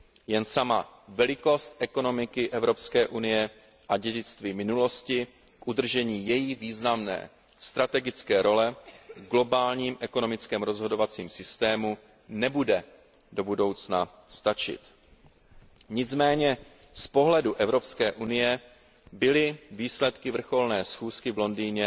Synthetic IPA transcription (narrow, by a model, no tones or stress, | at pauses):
jɛnsama̰vɛlɪko̞st̪ʔɛko̞no̞mɪkɪʔɛvɾo̞pskɛːʔunɪjɛ | ʔaɟɛɟɪt͡st̪viːmɪnulo̞scɪ | kʔud̪r̩ʒɛɲiːjɛjiviːznamnɛ̰ː | st̪ɾat̪ɛɡɪt͡skɛːɾʔo̞lɛɡlo̞baːlɲiːmʔɛko̞no̞mɪt͡skɛːmɾo̞zɦo̞do̞vat͡siːmsɪst̪ɛːmu | nɛbudɛ | do̞budo̞wt͡sna | st̪at͡ʃɪ̰t̪ | ɲɪt͡smɛːɲɛ | spo̞ɦlɛduʔɛvɾo̞pskɛːʔunɪjɛ | bɪlɪviːslɛt̪kɪvr̩xo̞lnɛːsxuːskɪvlo̞ndiːɲɛ